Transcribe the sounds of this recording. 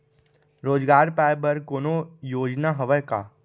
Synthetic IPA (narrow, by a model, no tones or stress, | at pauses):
ɾoːd͡ʒɡaːɾpaːjbɐɾkoːnojoːd͡ʒnaɦəʋəjka̰ː